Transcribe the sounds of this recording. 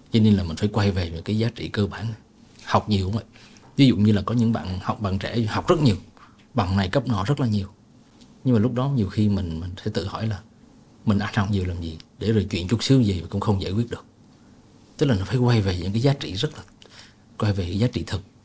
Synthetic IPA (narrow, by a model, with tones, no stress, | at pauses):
t͡ɕɔ˧ne˧nlaː˨˩mï˨˩ŋ̟faː˧˦jkwa˧jve˨˩ɲɨ̰˧˥ŋkaː˨˦jzaː˨˦t͡ɕḭ˧˨kəː˧ɓa̰ː˧˨n | ha˨˩wk͡p̚ɲi˨˩wkʊ̰˧˦ŋ͡mvə̰˧˨j | vi˨˦zṵ˧˨ɲɨ˧laː˨˩kɔ˨˦ɲɨ̰˧˥ŋɓa̰ː˧˨nha˨˩k͡p̚ɓa̰ː˧˨nt͡ɕɛ̰˧˩ha˨˩wk͡p̚z̥ə˦˥t̚ɲi˨˩əw | ɓa˨˩ŋna˨˩jkə˦˥p̚nɔ̰˧˩zə˦˥t̚laː˨˩ɲi˨˩əw | ɲɨ˧ŋmaː˨˩lʊ˦˥k͡p̚ɗɔ˨˦ɲi˨˩əwxi˧mï˨˩ŋ̟mï˨˩ŋ̟sɛ̰˧˥t̪ɨ̰˧˨hɔ̰˧˩jlaː˨˩ | mï˨˩ŋ̟ʔa˧˥ŋha˨˩wk͡p̚ɲi˨˩əwlaː˨˩mzi˨˩ɗe˧˩zo˨˩jt͡ɕwḭ˧˨ənt͡ɕʊ˦˥t̚sɨ˨˦zi˨˩vaː˨˩kʊ̰˧˥ŋ͡mxə˧wŋ͡mzaː˧˨kwi˦˥ət̚ɗɨ˨˩ək̚ | t̪ɨ˦˥k̚laː˨˩nɔ˨˦faː˧˦jkwa˧jve˨˩ɲɨ̰˧˥ŋkaː˨˦zaː˦t͡ɕḭ˧˨zə˦˥t̚laː˨˩ | kwa˧jve˨˩ɲ˧˨˥jzaː˨˦t͡ɕḭ˧˨t̪ʰɨ˨˩k̚